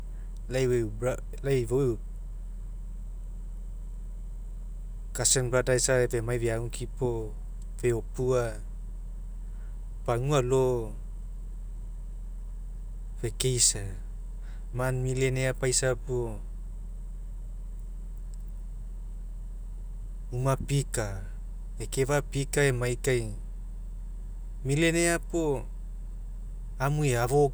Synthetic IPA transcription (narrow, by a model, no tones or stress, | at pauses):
lajba | lajboj | kasenbadajsabemajbeaŋukʰipɔ | beɔpua | b̥aŋualo | bekejsa | manmile̞neapajsapo | umapika | ekevapikaemajkaj | mile̞neapo | amueaβo